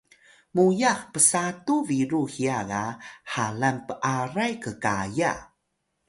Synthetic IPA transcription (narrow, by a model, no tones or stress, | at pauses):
mujaxpəsatuviɾuhiaɡahalanpəʔaɾajkəkaja̰